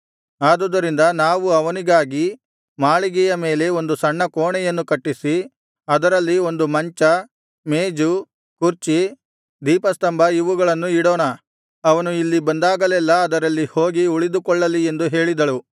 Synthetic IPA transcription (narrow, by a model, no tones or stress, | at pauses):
aːd̪ud̪ɐɾind̪ɐnaːʋuɐʋɐniɡaːɡi | maːɭiɡɛjɐme̞ːle̞o̞nd̪usɐɳːɐkoːɳɛjɐnːukɐʈːisi | ɐd̪ɐɾɐlːio̞nd̪umɐɲt͡ʃɐ | meːd͡ʒu | kuɾt͡ʃi | d̪iːpɐst̪ɐmbʱɐiʋuɡɐɭɐnːuiɽɔːnɐ | ɐʋɐnuilːibɐnd̪aːɡɐlɛlːɐːd̪ɐɾɐlːihoːɡiuɭid̪ukɔɭːɐlːie̞nd̪uɦe̞ːɭid̪ɐɭu